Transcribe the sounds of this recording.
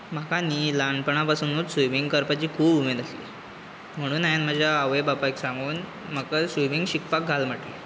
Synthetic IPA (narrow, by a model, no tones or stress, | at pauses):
m̤əkaniːlaɳɖpəɳ̃apasənuːt̪sʋimiŋɡkəɾpat͡ɕiːkʰuːbumed̪əslḭː | m̤əɽ̃uːnajanm̤əd͡ʑʱjaːʋejbapajksãŋɡuːn | m̤əkəsʋimiŋɡɕikpak̚ɡʱalm̤əʈlḭ